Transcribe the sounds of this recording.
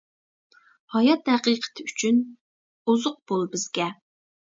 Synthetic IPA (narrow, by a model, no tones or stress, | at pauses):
hɑjɑt̪hæqiqʰə̥t̪ʰɪyt͡ʃʰyn | uzʊq̚b̥olˠbɪzɡʲɛ